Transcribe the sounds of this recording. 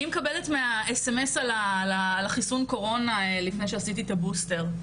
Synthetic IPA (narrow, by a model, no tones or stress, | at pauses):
imekabe̞letmeaesemesalalaːlaχisunko̞ʁo̞nalifne̞jʃeasitit̪abuste̞ʁ